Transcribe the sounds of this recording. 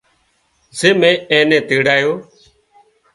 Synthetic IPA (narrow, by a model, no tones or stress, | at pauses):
zeːmẽːeːnẽːt̪eːɽaːjoː